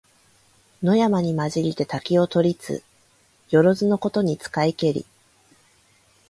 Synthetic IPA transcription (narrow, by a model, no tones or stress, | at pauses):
no̞jamaɲ̟imaʑiɾʲit̪e̞t̪akʲio̞t̪o̞ɾʲit͡sɨ̰ | jo̞ɾo̞zɨno̞ko̞t̪o̞ɲ̟it͡sɨ̥kaike̞ɾʲḭ